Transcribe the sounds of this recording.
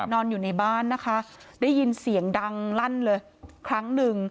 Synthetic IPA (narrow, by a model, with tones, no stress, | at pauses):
nɔː˧njuː˨˩na˧jbaː˥˩nːa˦˥kʰa˦˥ | daː˥˩jːi˧nsi˩˦əŋda˧ŋla˥˩nlɤː˧j | kʰɾa˦˥ŋnɯ˨˩ŋ